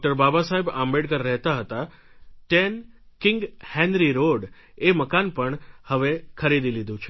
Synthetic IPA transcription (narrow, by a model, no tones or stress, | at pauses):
ʈəɾbabasaɦebãmbeɽkəɾːɛɦt̪aɦət̪a | ʈenkɪ̃ŋɡhɛ̃nɾiɾoɖ | eməkanpəɳhəʋekʰəɾid̪ilid̪ʱũt͡ʃʰe